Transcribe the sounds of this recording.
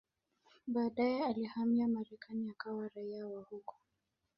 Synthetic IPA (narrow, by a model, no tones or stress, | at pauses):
ɓaːɗajɛalihamiamaɾɛkaniakawaɾaiawahukɔ̥